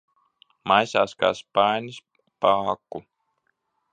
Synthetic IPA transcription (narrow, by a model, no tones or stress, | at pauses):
masa̰ska̰spanʲis | paːkːu